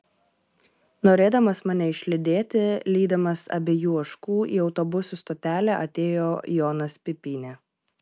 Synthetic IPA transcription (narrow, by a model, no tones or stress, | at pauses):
noːɾʲeːd̪ɐmɐsmɐnʲɛɪʃʲlʲɪd̪ʲeːt̪ʲɪlʲiːd̪ɐmɐsɐ̰bʲejuːɐʃkuːʔḭːɒʊt̪ɔbʊsʲust̪oːt̪ʲæːlʲæʔɐ̰t̪ʲeːjoːjɔːnɐspʲɪpʲiːnʲe